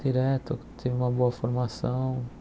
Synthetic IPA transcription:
d̪iɾɛt̪ʊt̪ʰevɪũmɐboɐfoɾmasɐ̃w̃

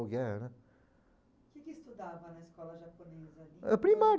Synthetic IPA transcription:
ɡɛnɐ | kɛkist̪ud̪avɐnɐiskɔlɐʒɐponezɐɐpɾimaɾ

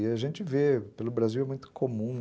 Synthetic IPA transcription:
ɪɐʒẽnt͡ʃɪvepelʊbɾaziwɛmũj̃t̪ʊ̥kʰomũ

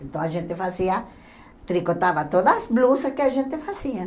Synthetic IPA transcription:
ẽnt̪ɐ̃w̃aʒẽnt̪ɪfaziɐ | t̪ɾikot̪aβɐt̪od̪ɐːsblusɐskɪaʒẽnt̪ɪfaziɐ

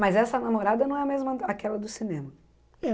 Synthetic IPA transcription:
mɐzɛsɐnamoɾad̪ɐnɐ̃w̃ɛɐmezmɐakɛlɐd̪ʊsinẽmɐ

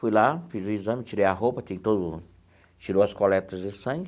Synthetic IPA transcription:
fujlafizʊizɐ̃mɪt͡ʃiɾejɐɦopɐt̪ẽj̃t̪od̪ʊ | t͡ʃiɾowɐskolɛt̪ɐzd̪ɪsɐ̃ɡ

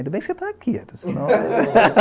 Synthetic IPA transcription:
d̪ɐbẽj̃sɪet̪akʰiɛ̰t̪sinɐ̃w̃

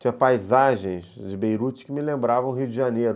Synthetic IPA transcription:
t͡ʃĩɲɐpajzaʒẽj̃zd͡ʒɪbejɾut͡ʃɪ̥kɪmɪlẽmbɾavɐ̃w̃ɦiwʊd͡ʒɪʒanejɾʊ

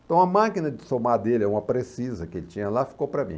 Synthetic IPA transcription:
t̪ɐ̃w̃ɐmakinɐd͡ʒɪsomad̪elɪɛũmɐpɾesizɐkɪelɪt͡ʃĩɲɐlafi̥kowpɾɐmḭ̃

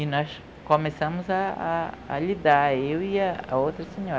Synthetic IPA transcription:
inɔs | komesɐ̃mʊza̰ː | lid̪aɾewiaa̰owt̪ɾɐseɲɔ

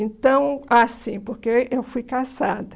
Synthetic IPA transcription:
ẽnt̪ɐ̃w̃asĩpoɾkeewfujkasa̰d̪ɐ

